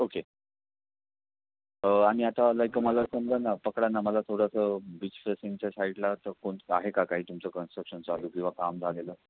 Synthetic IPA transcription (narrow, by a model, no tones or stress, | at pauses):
oke | aɽ̃iat̪alajkəmaləɾsəmd͡zanapəkɽanaməlasoɽasəbit͡ɕfɾesiŋt͡ɕasaiʈlat̪əɾkoɳa̰ɦekakaɦiːt̪umt͡səkənsʈɾəkɕənt͡saluːkĩw̃ʋakamd͡zʱaleləː